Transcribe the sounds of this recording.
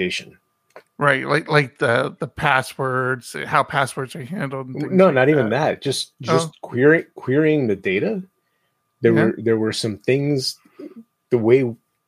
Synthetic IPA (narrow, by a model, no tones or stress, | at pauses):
eɪʃɨ̃n | ɹaɪt̚laɪklaɪk̚ðʌðəpʰæswɜ˞dz̥haʊpʰæswə˞dzɨhæ̃ndˡl̩ˠdn̩noʊnɨɾivɨ̃nðæt̚d̥ʒ̥ʌsd̥ʒʌskʰw̥ɪɹkʰw̥ɪɹiɪ̃ŋðɨdeɪɾɨ | ðə˞wə˞ðə˞wə˞sʌ̃mθɪ̃ŋz | ðəweɪ